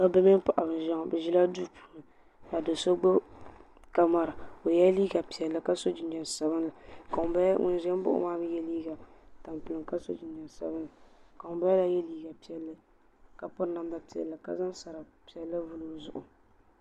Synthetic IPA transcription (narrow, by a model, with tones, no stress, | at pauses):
ka˦bɛ˦mɪ˦n˦pa˨ʔa˨bɨ˨ʒa˦ŋɔ˨bɛ˨ʒi˦la˦du˦pʰu˨lɨ˨ | ka˨dɨ˨so˦ɡ͡bo˦ | ka˦ma˨ɾɨ˨o˨jɛ˦liː˦ɡa˨pi˨ɛ˨lːɨ˨ka˦so˦d͡ʒɪ˨nd͡ʒɛ˨n˨sa˦bɨ˦nla˨ka˨ŋ˨˦ba˦ŋʊ̰˦n˦ʒɛ˦m˦bʊ̰˦ʔʊ̰˦maː˦bɨ˦jɛ˦liː˦ɡa˨ta˨mpɨ˨lɨ˨ŋka˦so̰˦d͡ʒi˨nd͡ʒɛ˨nsa̰˦bɨ˦nla˨ka˨ŋʊ˨ba˦jla˦jɛ˦liː˦ɡa˨pi˦ɛ˦lːɨ˦ | ka˨pʊ˦na˨m˦da˨pi˨ɛ̰˨lːɨ˨ka̰˦za˦nsa˨ɾa˨pi˨ɛ˦lːɨ˦vu˦lo˦zʊ˨ʔʊ̰˨